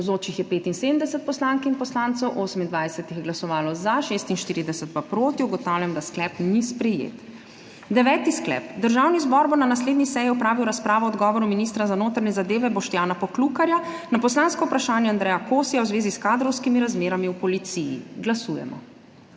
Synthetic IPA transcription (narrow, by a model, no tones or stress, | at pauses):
zoːt͡ʃixjɛpeːt̪inseːd̪əm̩d̪ɛsɛt̪̚pɔslaːŋkɛinpɔslaːnt̪sɔwʔoːsəmind̪ʋajsɛt̪ixjɛɡlasɔʋaːlɔzaʃest̪inʃt̪iːɾid̪ɛsɛt̪papɾoːt̪iuɡɔt̪awljamd̪asklɛpnispɾɛjḛt̪ | d̪ɛʋɛːt̪isklɛ̰ːpd̪əɾʒawnizbɔɾbɔnanasleːd̪nisɛːjiɔpɾaːʋiwɾaspɾaːʋɔɔd̪ɡɔːʋɔɾuminist̪ɾazanoːt̪ɾnɛzad̪eːʋɛbɔʃt̪jaːnapɔklukaɾjanapɔslaːnskɔwpɾaʃaːnjɛand̪ɾɛjakoːsijawzʋeːziskaːd̪ɾɔwskimiɾazmeːɾamiupɔlit̪sijḭɡlasuːjɛ̰mɔ̰